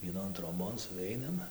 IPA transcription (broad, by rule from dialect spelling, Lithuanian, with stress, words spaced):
ʋʲiɛˈnoːn troːˈboːn sʊˈʋʲɛɪnɐm